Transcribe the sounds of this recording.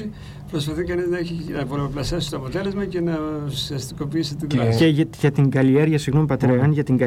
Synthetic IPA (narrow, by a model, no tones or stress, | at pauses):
i | pɾo̞spɐθikɐniznɐeçiɐpoɾoplɐsefsit̪oɐpo̞t̪e̞le̞zmɐce̞nɐsiɐst̪iko̞piisit̪iðoeʝɐt̪iŋɡɐlie̞ɾʝɐsiɣnompɐt̪ɾeɐnʝɐt̪iŋɡɐ